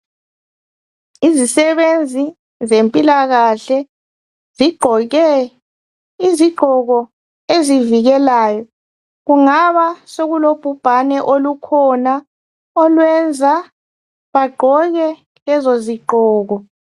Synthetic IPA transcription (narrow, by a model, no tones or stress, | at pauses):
izisɛβend͡zʱi | zempʼilaɣaɬɛ | ziɡ͡ǃʱɔɣɛ | iziɡ͡ǃʱɔɣɔ | eziviɣɛlaːjɔ | ɣuŋaβasoɣulob̥ʱub̥ʱanɛʔolukʰɔna | ɔlwɛnd͡zʱa | βaɡ͡ǃʱɔɣɛ | lɛzoziɡ͡ǃʱɔːɣɔ